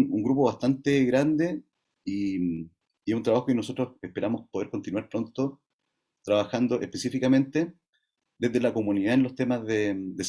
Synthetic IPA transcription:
uŋɡɾup̬o̞βast̪ant̪eɣɾand̪e | i | iesunt̪ɾaβaxo̞keno̞so̞t̪ɾose̞hpeɾamospoðeɾko̞nt̪inwaɾpɾo̞nt̪o | t̪ɾaβaxand̪oʔehpe̞sifikamẽ̞nt̪e̞ | d̪eðelako̞muniðaenlo̞st̪e̞mazðed̪es

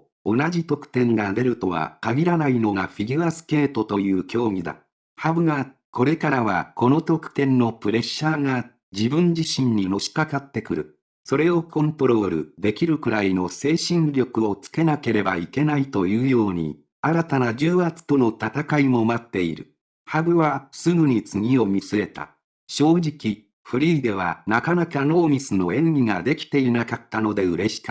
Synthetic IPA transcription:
o̞nad͡ʑit̪o̞kɯ̟̥t̪ẽ̞ŋɡad̪e̞ɾɯ̟t̪o̞βa̰kaɡʲiɾanaino̞ŋaɸʲiɡʲiasɨ̥ke̞ːt̪o̞t̪o̞jɯ̟ːkʲo̞ːmʲid̪a̰ | habɯ̟ɡa | ko̞ɾe̞kaɾaβa̰ko̞no̞t̪o̞kɯ̥t̪ẽ̞nːo̞pɯ̟ɾe̞ɕːaːŋa | d͡ʑibɯ̟̃ɲ̟d͡ʑiɕĩɲ̟ɲːino̞ɕi̥kakat̪ːe̞kɯ̟ɾɯ̟̰ | so̞ɾe̞o̞kʰõ̞nt̪o̞ɾo̞ːɾɯ̟̰d̪e̞kʲiɾɯ̟kɯ̟ɾaino̞se̞ːɕĩɲɾʲo̞kɯ̟o̞t͡sɨ̥ke̞nake̞ɾe̞baike̞nait̪o̞jɯ̟ːjo̞ːɲ̟ḭ | aɾat̪anad͡ʑɨːat͡sɨ̥t̪o̞no̞t̪at̪akaimo̞mat̪ːe̞iɾɯ̟̰ | habɯ̟βasɨɡɯ̟ɲ̟it͡sɨŋʲio̞mʲisɨɾe̞t̪a̰ | ɕo̞ːd͡ʑikʲi | ɸɯ̟ɾʲiːd̪e̞β̞a̰nakanakano̞ːmʲisɨno̞ẽ̞ŋʲiŋad̪e̞kʲi̥t̪e̞inakat̪ːano̞d̪e̞ɯ̟ɾe̞ɕi̥kḁ

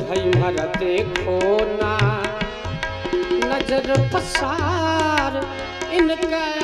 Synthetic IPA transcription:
bʱɐjumɐɾat̪ekʰoːna | nɐd͡ʒəɾpɐsa | ɾ | ɪnka

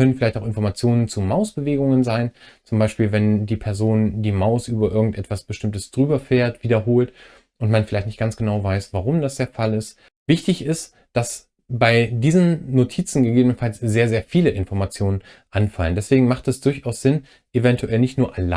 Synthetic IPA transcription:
kœnənfɪlaɪçtaʊxɪnfɔɐmat͡sjoːnənt͡sumaʊsb̥əveːɡʊŋənzaɪnt͡sʊmbaɪʃpiːlvɛndiːpʰɛɐzoːndiːmaʊsʔyːbɐʔɪɐɡŋ̩tʔɛtv̥asb̥əʃtɪmtəsd̥ʁyːbɐfɛːɐtv̥iːdɐɦoːlt | ʔʊntmanfɪlaɪçtnɪçt̚ɡ̥ant͡sɡ̥ənaʊvaɪsv̥aʁʊmdasd̥eːɐfalɪst | vɪçtɪçɪst | d̥as | baɪdiːzənːotʰiːt͡sn̩ɡəɡeːbənənfalsz̥eːɐzeːɐfiːləʔɪnfɔɐmat͡sjoːnən | ʔanfaləndɛsv̥eːɡŋ̩maχtɛsd̥ʊɐçaʊsz̥ɪn | ʔevɛntʰuʔɛlnɪçtnuːɐʔala

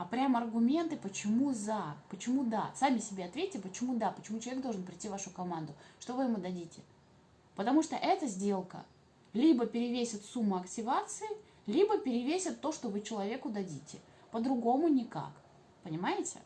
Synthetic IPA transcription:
apɾʲamɐrɡʊmʲe̞nt̪ɨpət͡ɕɪmuzapət͡ɕɪmud̪a̰samʲɪsʲɪbʲeɐt̪vʲetʲːɪpət͡ɕɪmud̪apət͡ɕɪmut͡ɕɪlˠvʲeɡ̚d̪oʐɨnpɾʲɪtʲːivaʂʊkɐmand̪ʊʂt̪o̞vɨjɪmud̪ɐdʲitʲɪ | pət̪ɐmuʂt̪oʔɛt̪əzʲdʲe̞lˠkə̰ | lʲibəpʲɪɾʲɪvʲesʲɪt̪sumːʊɐktʲɪvat̪sɨɪ | lʲibəpʲɪɾʲɪvʲesʲɪt̪ːo̞ʂt̪ovɨt͡ɕɪlˠɐvʲe̞kʊd̪ɐdʲitʲɪ | pəd̪ɾʊɡo̞mʊnʲɪka̰k | pənʲɪmajɪtʲɪ̰

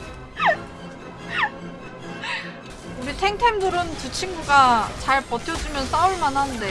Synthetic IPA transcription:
uɾitʰe̞ŋtʰe̞mduɾɯntɯt͡ɕʰiŋɡuɡat͡ɕaɭpʌtʰjʌd͡ʑumjʌns͈auɭmanɦanɯnde̞

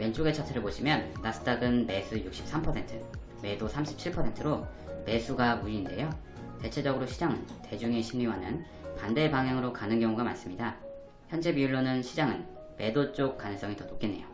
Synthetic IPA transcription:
went͡ɕ͈oɡe̞t͡ɕʰat͡ɕʰeɾɯɭpoɕʰimjʌnːasʰɯ̥t͈aɡɯnme̞sʰujuk̚ɕ͈i̥p̚s͈ampʰʌsʰe̞ntʰɯ | me̞dosʰamɕʰi̥p̚t͡ɕʰiɭpʰʌsʰe̞ntʰɯɾo | me̞sʰuɡamuiːnde̞jo | te̞t͡ɕʰe̞d͡ʑʌɡɯɾoɕʰid͡ʑaŋɯnte̞d͡ʑuŋe̞ɕʰimiwanɯ̰n | pande̞baŋɦjaŋɯɾokanɯnkjʌŋuɡama̰ns͈ɯmɲida | çjʌnd͡ʑe̞piuɭːonɯnɕʰid͡ʑaŋɯn | me̞dot͡ɕ͈ok̚k͈anɯŋs͈ʌŋitʌnopk͈inːe̞jo

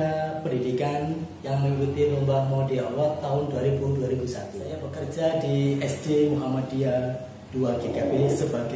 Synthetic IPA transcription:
apəndidikanjaŋməŋikut̪ilombamɔdiɔlɔt̪ːaɦʊnduaɾibunduaɾibusat̪uɲabəkərd͡ʒadiɛsdemuɦamadia | d̥uaɡekabesəbaɡ

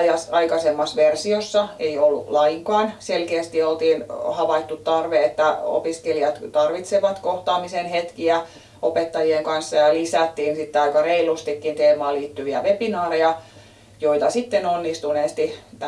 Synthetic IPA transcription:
jɑsɑikɑsemːɑsʋersiosːɑeiolːṵlɑiŋkɑːnselkeːst̪iolt̪iːnhɑʋɑit̪ːut̪t̪ːɑrʋeet̪ːæo̰piskeliɑt̪t̪ɑrʋit̪seʋɑt̪koht̪ɑːmisenhet̪kiæ | ʔopet̪ːɑjieŋkɑnsːɑjɑlisæt̪ːiːnsit̪ːeɑikɑreilust̪ikːint̪eːmɑːliːt̪ːyʋiæ̰ʋepinɑːrejɑ | joit̪ɑsit̪ːenonːist̪uneːst̪it̪

